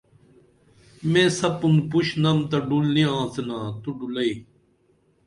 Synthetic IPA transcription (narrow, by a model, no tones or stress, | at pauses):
mẽːsɐpund̪puɕnɐmt̪ɐɖulnĩãːsenaːt̪uɖulɐiː